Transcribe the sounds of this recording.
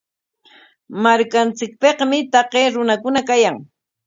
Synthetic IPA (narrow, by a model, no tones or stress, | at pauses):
maɾkant͡sɪk̚peqmɪt̪ɑqeːɾʊnakʊnakajaŋ